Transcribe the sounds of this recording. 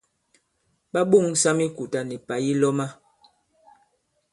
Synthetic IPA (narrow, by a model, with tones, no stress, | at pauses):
ɓa˦ɓu˦˨ŋsa˦mi˦ku˨ta˨ni˨pa˨ji˦lɔ˦ma˦